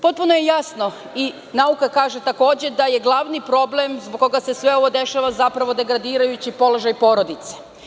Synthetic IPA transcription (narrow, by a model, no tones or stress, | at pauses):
po̞t̪̚punojejasno̞ | i | naukakaːʒe̞t̪ako̞ːd͡ʑe̞d̪ajeɡlˠaʋnipɾo̞blemzboɡ̚ko̞ɡasesʋeo̞ʋo̞d̪e̞ʃaʋazapɾaʋo̞d̪e̞ɡɾad̪iːɾajut͡ɕipo̞lo̞ʒajpo̞ɾod̪it̪se̥